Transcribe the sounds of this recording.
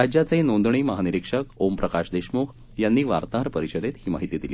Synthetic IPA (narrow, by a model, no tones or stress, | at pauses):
ɾad͡ʑjat͡sinond̪ɳiːməɦaniɾikʂəkompɾəkaɕd̪eɕmukʰ | janːiːʋa̰ɾt̪aɾpəɾiɕəd̪et̪ɦhiːma̰ɦit̪iːd̪iliː